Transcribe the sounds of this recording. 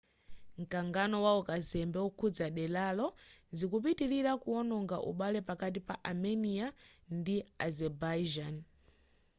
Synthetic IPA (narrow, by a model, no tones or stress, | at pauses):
ŋ̩kaŋɡanɔwaɔkazɛmbɛukʰud͡zaɗɛlalɔzikup̬itiɾiɾakuɔnɔŋɡaʔṵɓalɛpakat̬ipaʔamɛniandiazɛbad͡ʒan